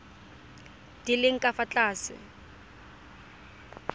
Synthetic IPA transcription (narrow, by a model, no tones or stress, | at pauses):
d̥ilɪŋ̩kʼafat͡ɬʼaːsɪ̰